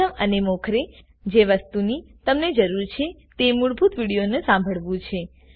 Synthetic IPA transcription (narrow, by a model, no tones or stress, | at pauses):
əmənemɔkʰɾe | d͡ʒeʋəst̪unit̪əmned͡ʒəɾuɾt͡ʃʰet̪emuɭbʱut̪ʋiɽijonesãmbʱəɭʋũt͡ʃʰe